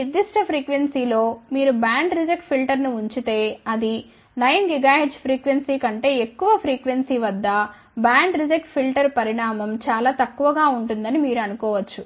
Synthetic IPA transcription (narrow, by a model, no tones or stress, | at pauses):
nid̪iʂʈɐpʰɾiːkʋensiːlo̞ːmiːɾubaːɳɖɾid͡ʒɐkʈpʰilʈɐɾnuuɲt͡ʃit̪e̞ːɐd̪i | nɐjnɡiɡaːɦiɖd͡ʒpʰɾiːkʋe̞nsiːkɐɳʈe̞ːekːuʋɐpʰɾiːkʋe̞nsiːʋɐd̪ːɐ | baːɳɖɾid͡ʒɐk̚ʈpʰilʈɐɾpɐɾiɳaːmɐmt͡ʃaːlaːt̪ɐkːuʋɐɡaːuɳʈund̪ɐnimiːɾuɐnukɔːʋɐt͡ʃːu